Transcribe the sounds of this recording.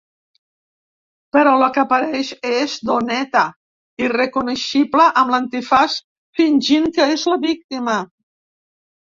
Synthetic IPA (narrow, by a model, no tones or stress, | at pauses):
pəɾɔləkəpəɾɛʃezd̪onɛt̪ə | irəkunəʃipləʔəmlənt̪ifas | finʲʒiŋkəezləβik̚t̪imə